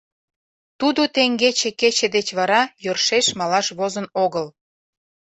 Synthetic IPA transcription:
t̪ud̪ot̪eŋɡet͡ɕĕket͡ɕĕd̪et͡ɕβɑɾɑjørʃeʃmɑlɑʃβozənoɣəl

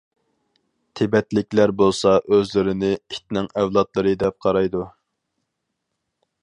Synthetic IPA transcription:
t̪ʰɪbɛt̪lɪk̚ʲlæɾbolˠsɑʔøzlɪɾɪnɪi̥t̪̚nɪŋɛvlˠɑt̪lˠɨɾɨd̪ɛp̚qʰɑɾɑjd̪u

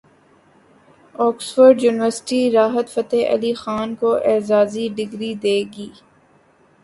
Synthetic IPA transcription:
ɔːksfəɾɖjuːnɪʋəɾsɪ̥ʈiɾaːɦət̪fɐt̪eʔɐ̰lixaːnkoʔɛːzaːziɖɪɡɾid̪eːɡiː

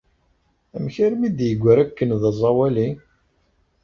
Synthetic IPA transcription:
æmçəɾmid̪jəɡʷːəɾækːənðɑzˤːɑwæli

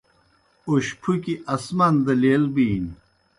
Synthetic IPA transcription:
uɕpʰukiʔɐsmɐnd̪ɐleːlbiːn

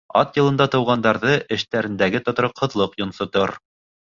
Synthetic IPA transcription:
ɑ̰t̪jɤ̆lˠɤ̆nd̪ɑt̪ɤ̆wʁɑnd̪ɑɾðɤʔɘ̆ʃt̪æɾɘ̆nd̪æɡɘt̪ŏt̪ɾɤqʰːɤ̆ðlˠɤqjŏnsŏt̪ɤɾ

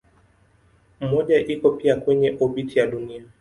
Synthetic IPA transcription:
m̩mɔʄaʔikɔpiakwɛɲɛʔɔɓitʰijaɗunia

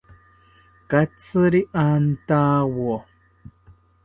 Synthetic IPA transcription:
kat͡sɨɾiʔan̩taːwɔ

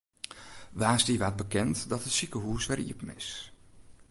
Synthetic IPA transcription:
ʋaːsdiʋat̚bəkɛntdɔtətsikəɦuːsʋɛrḭəpnɪ̰s

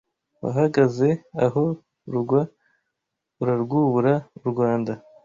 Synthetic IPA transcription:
wa̰ɦaɡaze̞aɦo̞ | ɾuɡwa | uɾaɾɡuβuɾauɾɡwaːnda

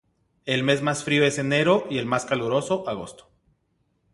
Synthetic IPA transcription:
e̞lme̞zmasfɾio̞e̞se̞ne̞ɾo̞ʔie̞lmaskaluɾo̞so̞ʔaɣ̞o̞̰st̪o̥

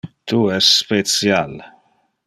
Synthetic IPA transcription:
t̪uɛsspet͡sjal

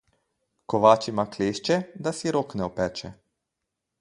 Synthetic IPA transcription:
kɔʋaːt͡ʃimakleːʃt͡ʃɛd̪asiɾoːknɛɔpɛːt͡ʃɛ

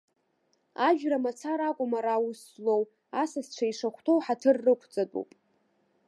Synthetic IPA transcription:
aʒᶣramat͡sʰaɾakʷʼʊmaɾawuslow | asasʈ͡ʂʷʰaiʂaχʷtʰowħatʰɨrːɨkʷʰt͡sʼadʼṵpʼ

